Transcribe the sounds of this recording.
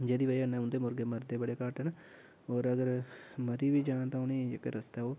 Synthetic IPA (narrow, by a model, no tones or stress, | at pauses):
d͡ʒeːd̪iːʋəiənɛ̃ːʊ̃nd̪eːmʊɾɡeːməɾd̪eːbəɽeːkaːʈəːna | oːɾəɡəɾməɾiːʋiːd͡ʒaːnt̪ãːʊniːd͡ʒḛkḛːɾəst̪aːoː